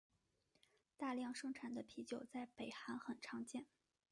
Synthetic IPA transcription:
t̪a˥˧ljɑ˥˧ŋʂɤ˥ŋʈ͡ʂʰa˨˩nd̪ə˦pʰi˧˥t͡ɕjo˨˩ʊt͡sa˥˩ɪpe˨˩ɪxa˧˥nxə˨˩nʈ͡ʂʰɑ˧˥ŋt͡ɕjɛ˥˩n

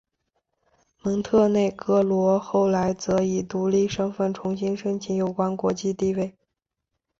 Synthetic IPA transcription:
mɤ˧˥ŋt̪ʰɤ˥˧ne˥˩ɪkɤ˥lwɔ˧˥xo˥˩ʊla˧˥ɪt͡sɤ˧˥i˨˩t̪u˧˥li˥˩ʂɤ˥ŋfə˥˩nʈ͡ʂʰʊ˧˥ŋɕi˥ŋʂə˥ŋt͡ɕʰi˧˥njo˨˩ʊkwa˥nkwɔ˧˥t͡ɕi˥˧t̪i˥˧we˥˩ɪ

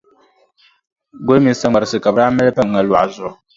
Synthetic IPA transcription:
ɡo˦lmi˨n˦sa˨ŋ͡ma˨ɾɨ˨sɨ˨ka˨bɨ˨ɾaː˦mɛ˦lpa˦ŋ˨ŋa˨la̰˨ʔzʊ˨

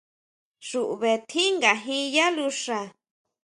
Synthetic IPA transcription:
ʂu˨ʔu˨βe˨t̪ʰi˦ŋɡa˨ɦĩ˧ja˦lu˧ʂa˧˨

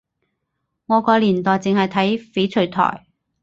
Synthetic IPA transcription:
ŋɔː˨˧kɔː˧liː˨˩nt̪ɔː˨jt͡sɪ˨ŋhɐ˨jt̪ʰɐ˨˥jfe˨˥t͡sʰɵ˨˧˥t̪ʰɔ̰ː˨˩j

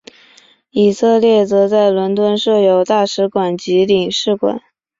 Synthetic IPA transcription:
i˨˩sɤ˥˧ljɛ˥˩t͡sɤ˧˥t͡sa˥˩ɪlwə˧˥nt̪wə˥nʂɤ˥˩jo˨˩ʊt̪a˥˩ʂɻ̩˧˥kwa˨˩nt͡ɕi˧˥li˨˩ŋʂɻ̩˥˩kwa̰˨˩˦n

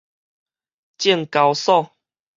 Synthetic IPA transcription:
t͡ɕji˥˨ŋka˨˧wsɔ˥˧˨

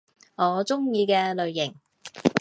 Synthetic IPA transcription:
ŋɔː˨˧t͡sʊ˥ŋjiː˧kɛː˧lɵ˨ɥːɪ˨˩ŋ

